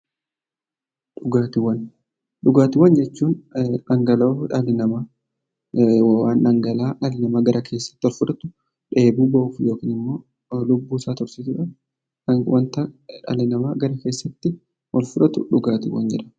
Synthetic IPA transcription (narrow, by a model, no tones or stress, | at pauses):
ᶑʊɡaːt̪ɪwɐn | ɗʊɡaːt̪ɪwɐnd͡ʒɛt͡ʃːuːnɐŋɡɐloᶑɐlɪnɐma | waːnɐŋɡɐlaːᶑɐlɪnɐmaːɡɐɾʔɐkʰe̞ːsːɐ̥t̪ːɪɔlfʊᶑɐt̪ʊ | ᶑe̞ːbuːbɐʔufjo̞ːkiːnɪmːo̞ː | lʊbːuːsaːt̪ɔɾsit̪ɪᶑɐ | wɐnt̪ɐᶑɐ̰lɪnɐmaːɡɐɾɐke̞ːsːɐt̪ːɪ | ʔɔlfʊᶑɐt̪ʊ̰ᶑʊɡaːt̪ɪwɐ̰nd͡ʒɛᶑɐ̥